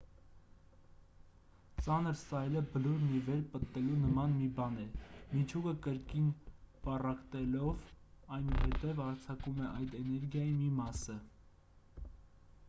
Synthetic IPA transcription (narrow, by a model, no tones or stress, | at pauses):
t͡sɑnəɾsɑjləbəluɾnivɛɾpət̪ːɛlunəmɑnmibɑnɛmit͡ʃʰukəkəɾkinpɑrɑkt̪ɛlɔvɑjnuɦɛt̪ɛvɑɾt͡sʰɑkumɛʔɑjd̪ɛnɛɾɡjɑjimimɑsə